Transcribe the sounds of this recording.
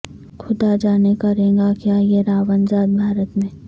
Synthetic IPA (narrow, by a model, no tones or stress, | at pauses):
kʰʊd̪ad͡ʒaːnekɐɾẽːɡakjaːjeɾaːʋənzaːd̪̚bʱaːɾət̪mẽː